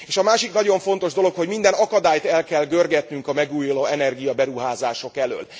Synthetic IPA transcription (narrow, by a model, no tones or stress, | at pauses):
eːʃɒmaːʃiknɒɟo̞ɱfo̞n̪t̪o̞ʒd̪o̞lokho̞ɟmind̪ɛnɒkɒd̪aːjt̪ɛlkɛlɡørɡɛt̪nyŋkɒmɛɡuːjloːɛnɛrɡijɒbɛɾuɦaːzaːʃo̞kɛlø̰ːl